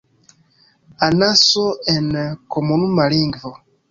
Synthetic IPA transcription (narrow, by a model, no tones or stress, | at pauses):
anasoɛnekomonumaliːŋɡivo